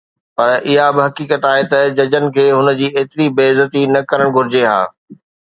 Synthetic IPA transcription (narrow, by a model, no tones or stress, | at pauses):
pɐɾʔɪɦabɪɦɐkiːkət̪aːɦet̪ɐd͡ʑɐd͡ʑənɪ̆kʰeːɦʊnə̆d͡ʑiːeːt̪ɪɾibeːzət̪inɐkɐɾəɽ̃ɡʱʊɾɪd͡ʑeɦa̰ː